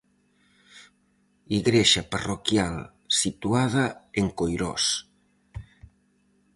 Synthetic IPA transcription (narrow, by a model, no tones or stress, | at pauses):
iɣɾeʃaparokjal | sit̪uaðaeŋkojɾɔ̰s